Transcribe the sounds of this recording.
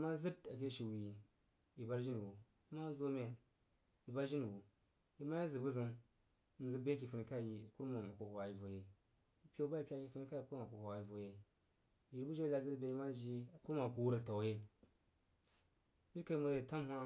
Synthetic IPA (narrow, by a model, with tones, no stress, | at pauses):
ma˦zɨ˦da˨ke˦ʃi˨wi˨ | ji˨ba˦ɾʒi˦n˨ɡo˨ | i˦ma˦zo˦me˨ | i˨ba˦ɾʒi˦n˨ɡu˨ | ji˦ma˦ji˦zɨ˨bu˦zi˦n̩˨ | zɨ˦be˦k̬i˨fu˨ni˨ka˦ji˨ku˦ɾma˨ma˨ko˨ho˨a˨ji˨vo˨je˨ | i˦pʲe˦ba˦i˨pʲa˦ki˨fu˦ni˦ka˦i˨ku˦ma˨ku˨ho˨a˨ji˨vo˨je˨ | ji˨ɾbu˦d͡ʒe˦la˨zɨ˦tbe˦i˦ma˦ʒi˦˨ku˦ɾma˨ku˨wu˦ɾa˨ta˨wje˦ | ji˦ɾka˨i˨ma˨je˨ta˦m˦hʷa˦